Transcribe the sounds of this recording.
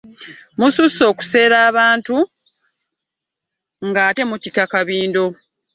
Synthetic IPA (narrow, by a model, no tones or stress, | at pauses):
mususo̞ːku̥se̞ːɾaːβaːntu | ŋɡaːte̞mutikakaβiːndo̞